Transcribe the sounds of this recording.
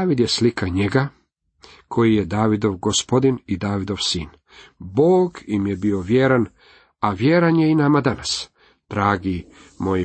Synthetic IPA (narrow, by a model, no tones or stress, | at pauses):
aʋid̪jeslikʰaɲe̞ɡa | kʰo̞jije̞d̪aːʋid̪o̞ʋɡospo̞d̪inid̪aːʋid̪o̞ʋsḭːn | boːɡimjebio̞ʋjeɾan | aʋjeɾanje̞inamad̪anas | d̪̥ɾaːɡi | moj